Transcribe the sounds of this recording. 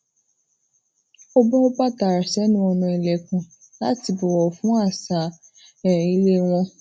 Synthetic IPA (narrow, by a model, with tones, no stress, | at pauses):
ɔ˦bɔ̃˦o˦ba˦ta˨ɾa˨sɛ˨˦nũ˦ɔ˧nũ˧i˨lɛ˨kũ˨ | la˨˦ti˧bɔ˨wɔ˨fũ˦a˦˨sa˨˦ | ɛ˨i˦le˦w̃ɔ̃˧